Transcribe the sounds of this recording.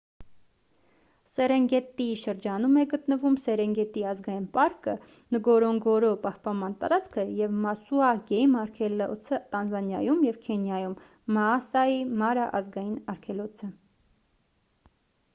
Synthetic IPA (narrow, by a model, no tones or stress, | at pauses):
sɛɾɛŋɡɛt̪iʃəɾd͡ʒɑnumɛɡət̪nəvumsɛɾɛŋɡɛt̪iɑzɡɑjinpɑɾkə | nəɡɔɾɔŋɡɔɾɔpɑhpɑnmɑnt̪ɑ̰ɾɑt͡skʰəjɛvmɑsuɑɡɛjmɑɾkʰɛlɔt͡sʰət̪ɑnzɑnjɑjumjɛvkʰɛnjɑjumː | ɑːsɑjimɑɾɑʔɑzɡɑjinɑɾkʰɛlɔt͡sʰə